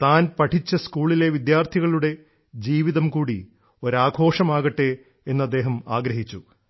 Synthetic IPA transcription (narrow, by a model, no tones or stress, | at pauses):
t̪aːnpɐʈʰit͡ɕːɐskuːɭile̞ʋid̪jaːrt̪ʰiɣɐɭuɽe̞ | d͡ʑiːʋiðɐmkuːɽi | o̞ɾaːɡʱo̞ːʂɐmaːɣɐʈːe̞ | enːɐd̪ːe̞ːɦɐmaːɡɾɐɦit͡ɕːu